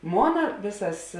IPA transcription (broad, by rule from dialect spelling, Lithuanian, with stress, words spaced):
ˈmoːnɐ ˈʋʲeːsɐs